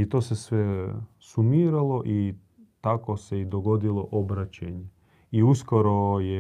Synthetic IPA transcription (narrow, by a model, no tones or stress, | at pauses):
it̪o̞ːsesʋe | sumiːɾalˠo̞ʔi | t̪ako̞seid̪oɡo̞d̪ilˠo̞ʔobɾat͡ɕeɲe | iuskoɾoje